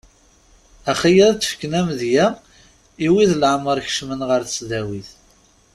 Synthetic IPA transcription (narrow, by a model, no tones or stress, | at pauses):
æχijæðt͡sːə̥fkːnæmðjæ | iwiðlʕəməɾˤçʃmənʁəɾθəsðæwiθ